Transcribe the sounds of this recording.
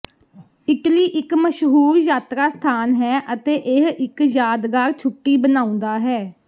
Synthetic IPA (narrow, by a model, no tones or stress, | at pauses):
ɪkliːʔɪkməʃɦuːɾjaːt̪ɾaːst̪ʰaːnɦɛːʔət̪eːʔeɦɪkjaːd̪ɡaːɾt͡ʃʰʊʈːiːbənãːʊ̃nd̪aːɦɛː